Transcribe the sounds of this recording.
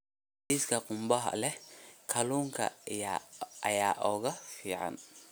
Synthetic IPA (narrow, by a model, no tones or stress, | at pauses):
diskʰɐqʊmbɐɦɐ̰lɛkʰɐluːŋkʰɐ̰ | ɐ̰jaːʔɔːɣɐfiːʕɑ̰n